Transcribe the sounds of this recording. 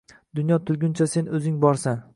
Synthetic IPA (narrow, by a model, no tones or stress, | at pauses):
d̪ʊnjɒt̪ʰʊlɡʲʊnt͡ʃʰase̞nɵzɪŋbɒɾsan